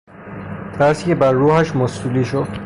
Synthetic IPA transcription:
t̪ʰæɾscebæɾːuːhæʃmosuːliːʃod̪̥

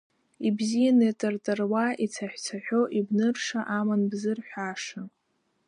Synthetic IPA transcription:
ibzijanɨtʼɨrtʼɨrwait͡sʰaħʷᶣt͡sʰaħʷᶣo̞ʔibnɨrʂaʔamanbzɨrħᶣʷaʂa

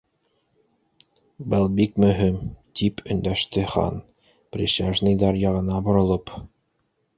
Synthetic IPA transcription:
bɤlˠbikmɵ̆ɦimt̪ʰipʰɵ̆nd̪æʃt̪ɘχɑ̰n | prʲiʃaʒnɤjd̪ɑɾjɑʁɤ̆nɑbŏɾŏlˠɤp

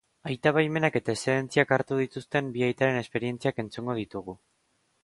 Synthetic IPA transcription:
ajt̪aβajme̞nake̞t̪aeseðent͡siakaɾt̪uðit̪ust̪e̞mbiajt̪aɾe̞ne̞spe̞ɾie̞nt͡siake̞nt͡suŋɡo̞ð̞it̪uɣ̞u

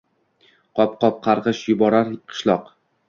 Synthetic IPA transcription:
qʰɒp̚qɒp̚qʰɑɾʁɨʃjʊbɒɾaɾqʰɨ̥ʃlˠɒq

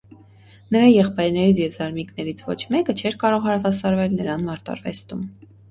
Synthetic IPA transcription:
nəɾɑjɛχpɑjɾnɛɾit͡sʰjɛvzɑɾmiknɛɾit͡sʰvɔ̰t͡ʃʰmɛkət͡ʃʰɛɾkɑɾɔʁhɑɾɑʁɑsɑɾvɛlnəɾɑnmɑɾt̪ɑ̰ɾvɛ̰st̪um

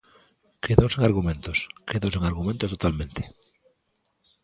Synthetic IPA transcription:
keðowseŋaɾɣumẽnt̪oskeðowseŋaɾɣumẽnt̪ost̪ot̪almẽnt̪e̥

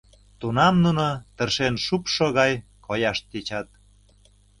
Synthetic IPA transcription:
t̪unɑmnunot̪ə̆rʃenʃupʃoɣɑj | kojɑʃt̪et͡ɕɑt̪̚

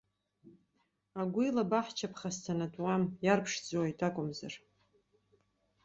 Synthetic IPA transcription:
aɡʷilabaħt͡ʃʰapʰχastʰanatʼwamjarpʰʂd͡zʼwaitʰʼakʷʼʊmzar

